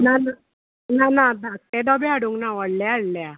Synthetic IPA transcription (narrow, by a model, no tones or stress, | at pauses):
nana | nanad̪ak̚ẽd̪ɔbiaɽuŋɡnaʋəɽljaaɽlja